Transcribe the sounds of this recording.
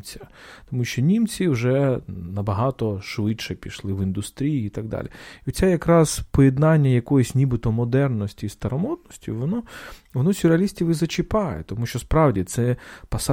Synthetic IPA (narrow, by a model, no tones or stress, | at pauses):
t͡sʲɐt̪ɔmuʃt͡ʃɔnʲimt͡sʲiwʒɛnɐbɐɦɑt̪ɔʃʋɪt͡ʃʃɛpʲiʃlˠɪʋɪnd̪ʊst̪ɾʲijiːt̪ɐɡ̚d̪ɑ̰lʲiɔsʲɛjɐkɾɑzpɔjɛd̪nɑnʲːɐjɐkɔjɔsʲnʲibɪt̪ɔmɔd̪ɛrnɔsʲtʲist̪ɐɾɐmɔt̪nɔsʲtʲiʋɔnɔʋɔnɔsʲʊɾeɐlʲisʲtʲiʋɪzɐt͡ʃɪpɑjɛ̰t̪ɔmuʃt͡ʃɔspɾɑwdʲit̪sɛpɐs